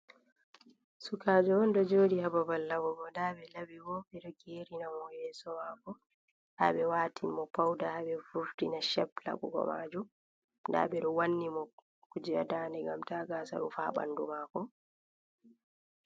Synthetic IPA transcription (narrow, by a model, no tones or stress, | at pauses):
sukaːd͡ʒɔɔndɔd͡ʒoːdihababalːaɡɔɡɔdabɛlabiɡɔɓɛɗɔɡeɾinamɔhɛːsɔmaːkɔ | ha̰ɓɛwaːtʰinmɔpawdahaɓɛfuftinaʃɛpla̰ɡɔ̰ɡɔ̰ma̰d͡ʒum | da̰ɓɛɗɔwanːimɔ | kud͡ʒia̰daːndɛɡamtaɡasa̰ɾṵfaɓa̰ndumakɔ